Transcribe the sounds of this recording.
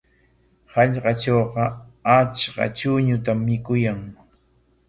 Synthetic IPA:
hɑʎɢɑʈ͡ʂoːqɑat͡ʃɢɑ̰t͡ʃʊɲʊt̪amːɪkʊjaŋ

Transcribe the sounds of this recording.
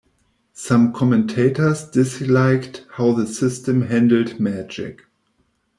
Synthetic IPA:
sãmkʰɔmɨ̃ntʰeɪtə˞sd̥ɪslaɪkthaʊðəsɪstə̃mɦæ̃ndl̩dmæd͡ʒɪ̰k

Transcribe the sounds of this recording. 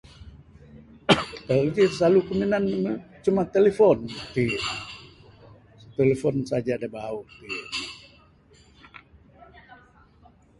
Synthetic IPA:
t̪aikisalukəminanmət͡ʃumat̪elefɔnt̪i | t̪elefɔnsad͡ʒadabaut̪i

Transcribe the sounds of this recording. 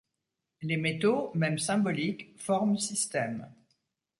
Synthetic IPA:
lemet̪omɛmsɛ̃bɔlikfɔʁmsist̪ɛm

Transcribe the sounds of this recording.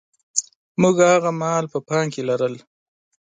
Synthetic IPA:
muɡhaɣamɑlpəpɑŋkelaɾəl

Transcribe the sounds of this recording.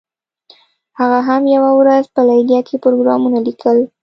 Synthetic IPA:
haɣaɦamjawawɾazpəlajdjɑkʰepɾoɡɾɑmunalikʰəl

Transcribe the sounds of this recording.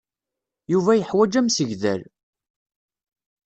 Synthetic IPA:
juvæjəħwæd͡ʒæmsəʝðæ̰l

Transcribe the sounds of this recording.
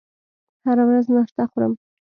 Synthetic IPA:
haɾawɾaznaʃt̪axuɾə̰m

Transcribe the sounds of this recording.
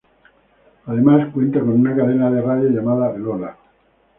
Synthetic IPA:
aðe̞maskwe̞nt̪ako̞nunakaðenaðerajaʝamaðaelola

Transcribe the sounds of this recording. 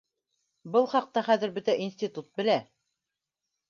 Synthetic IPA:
bɤlˠχɑq̚t̪ɑχæðɘɾbɵt̪æʔinsʲt̪ʲit̪ut̪̚bɘ̆læ

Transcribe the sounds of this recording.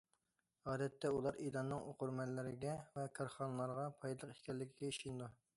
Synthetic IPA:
ɑːd̪ɛt̪ʰːɛulˠɑɾejd̪ɑnːɨŋoquɾmɛnlːɪɾɪɡʲɛvɛkʰɑɾχɑnɨlˠɑɾʁɑpʰɑjd̪lˠəqi̥ʃkʲɛlːɪkʲʰiɡʲɛiʃind̪u

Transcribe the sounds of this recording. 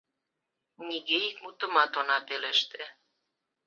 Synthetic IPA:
nʲiɣeikmut̪ə̆mɑt̪onɑpeleʃt̪ĕ

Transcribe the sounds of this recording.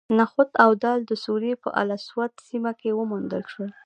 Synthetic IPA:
naxʊt̪awd̪ɑld̪əsuɾepə̰ʔa̰laswat̪simakewəmund̪əlʃwəl

